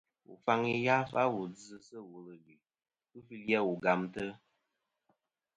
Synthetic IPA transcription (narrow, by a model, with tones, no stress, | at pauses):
ṵ˨fa˧ŋi˦ja˦fa˦wu˨d͡zɨ˧sə˦wu˨lɨ˨li˨ | ɨ˦fi˧lji˦ɛ˦wu˨ɡa˨mtə˦